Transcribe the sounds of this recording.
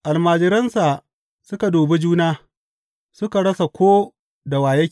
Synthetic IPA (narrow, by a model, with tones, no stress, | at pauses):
ʔa˨lmaː˨d͡ʒɪ˦ɾɐ˦nsa˨ | sʊ˦ka˨doː˨be˦d͡ʒuː˦naː˦ | sʊ˦ka˨ɽɐ˦sa˨kʷoː˦ | da˨waː˨jɐ˦